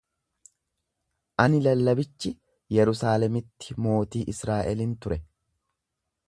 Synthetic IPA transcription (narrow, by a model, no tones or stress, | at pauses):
ʔɐnɪlɐlːɐbɪt͡ʃːɪ | jɛɾʊsaːlɛmɪt̪ːɪmo̞ːt̪iːʔɪsɾaːʔɛlɪnt̪ʊɾɛ